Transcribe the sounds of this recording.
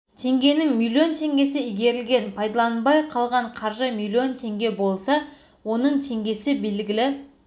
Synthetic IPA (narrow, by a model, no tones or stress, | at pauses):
t̪ʰe̞ŋɡʲe̞nɪŋmilʲːio̞nt̪ʰe̞ŋɡʲe̞sɪijɡʲe̞ɾɪlɡʲe̞npʰɑjd̪ɑlˠɑnbɑjqʰɑlˠʁɑɴqʰɑɾʒəmilʲːio̞nt̪ʰe̞ŋɡʲe̞bo̞lˠsɑ | wo̞nəɴt̪ʰe̞ŋɡʲe̞sɪbe̞lɡʲɪlɪ